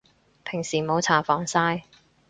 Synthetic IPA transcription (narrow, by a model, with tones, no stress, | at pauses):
pʰɪ˨˩ŋsiː˨˩mo˨˧wt͡sʰaː˨˩fɔː˨˥ŋsaː˥j